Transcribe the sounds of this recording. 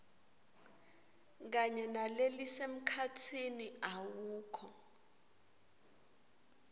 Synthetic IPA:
k̬aɲɛnalelisem̩kʰatʰiniawuːkʰɔ

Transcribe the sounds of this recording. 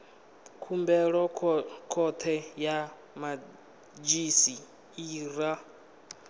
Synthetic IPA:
kʰumbɛɺɔkʰɔt̪ʰɛja | ma | d͡ʒisi | iːɾa

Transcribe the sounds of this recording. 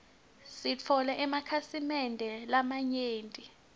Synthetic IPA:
sit͡fʰɔlɛʔɛmakʰasimɛndʱɛlamaɲeːntʼi

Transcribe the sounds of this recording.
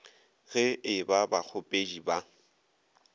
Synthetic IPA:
ɣɪɪbabak͡xʰʊpʼed͡ʒiba

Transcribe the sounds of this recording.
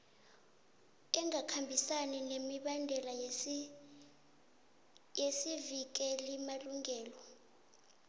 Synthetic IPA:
ɛŋakʰambʱisanɛnemiɓandʱɛla | jesivik̬ʼɛlimaluŋɛːlɔ

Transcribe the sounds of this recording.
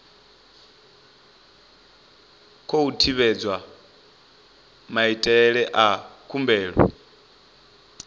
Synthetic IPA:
kʰoutʰiβɛd͡zwa | maitʼɛɺɛʔakʰumbɛːɺɔ̰

